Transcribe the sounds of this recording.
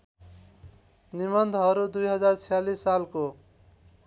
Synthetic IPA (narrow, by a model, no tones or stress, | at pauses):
nimʌnd̪ʱɦʌɾud̪ujɦʌd͡zart͡sʰijalisːalko